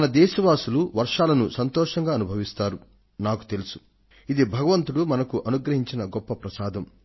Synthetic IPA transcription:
ɐnɐd̪ɛːʃɐʋaːsuluʋɐɾʂaːlɐnusɐnt̪ɔːʂɐŋɡaːɐnubʱɐʋist̪aːɾu | naːku̥t̪elusu̥ | id̪ibʱɐɡɐʋɐnt̪uɽumɐnɐkuʔɐnuɡɾɐɦiɲt͡ʃinɐɡɔpːɐpɾɐsaːd̪ʱɐm

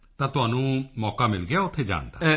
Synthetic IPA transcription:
t̪ãt̪ʊɦaːnũmɔːkamɪlɡjaʊt̪ʰːed͡ʒa̰ːnd̪a̰

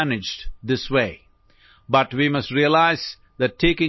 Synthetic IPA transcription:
nɪd͡ʒɖd̪ɪsweː | bʌʈʋimʌsʈɾiəlaɪz̥ | d̪ɨʈʰːeːkɪ̃

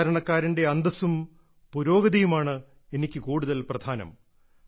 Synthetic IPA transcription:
ɾɐɳɐkːaːɾinde̞ɐnd̪ɐsum | puɾo̞ːɡɐðijumaːɳɨ | e̞nikʲːɨkuːɽuðɐlprɐd̪ʱaːnɐ̰m

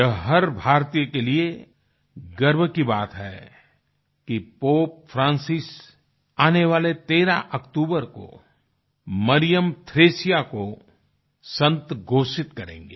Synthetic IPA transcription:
jɐɦɐɾbʱaːɾt̪ijəkelie | ɡɐɾbkibaːt̪ɦɛː | kipoːp̚fɾãːnsɪs | aːneʋaːlet̪eːɾa̰ʔɐkt̪uːbəɾko̰ | mɐɾɪjəmt̪ʰɾeːsijako | sɐ̃nt̪ɡʱoːʃɪt̪kɐɾḛ̃ːŋɡeː

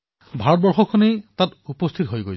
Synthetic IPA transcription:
bʱaɹɔt̚bɔɹxɔkʰːonejtatupɔst̪ʰitɦojɡo̰j

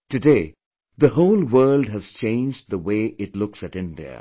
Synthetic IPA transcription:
tɨdeɪ | ðəhoʊlˠwɜ˞ldɦɨz̥t͡ʃẽɪ̃nd͡ʒðəweɪʔɪtlʊksɨtɪ̃ndḭə̰

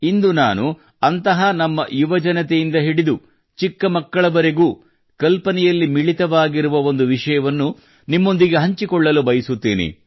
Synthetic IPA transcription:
ind̪unaːnu | ɐnt̪ɐɦɐnɐmːɐjuʋɐd͡ʒɐnɐt̪ejind̪ɐɦiɽid̪u | t͡ʃikːɐmɐkːɐɭɐʋɐɾeɡuː | kɐlpɐnɛjɐlːimiɭit̪ɐʋaːɡiɾuʋɐo̞nd̪uʋiʂɐjɐʋɐnːu | nimːo̞nd̪iɡe̞ɦɐɲt͡ʃikɔɭːɐlubɐjisut̪ːḭːnḭ

